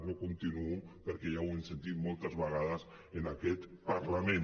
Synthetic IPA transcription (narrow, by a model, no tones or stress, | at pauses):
nokunt̪inuupəɾkeʒawensent̪it̪molˠt̪əzβəɣ̞aðəz | ənakɛt̪paɾlamen